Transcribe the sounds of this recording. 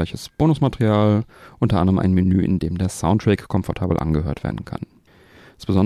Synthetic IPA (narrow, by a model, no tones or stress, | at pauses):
aɪçəsb̥oːnʊsmatʁiaːlʔʊntɐʔandəʁəmʔa̰ɪnminyːʔɪ̰ndeːmdeːɐsaʊntʁ̥ɛkkʰːɔmfɔɐtʰaːbl̩ʔa̰nɡəɦøːɐtv̥ḛɐdn̩kʰa̰n | sb̥əzɔn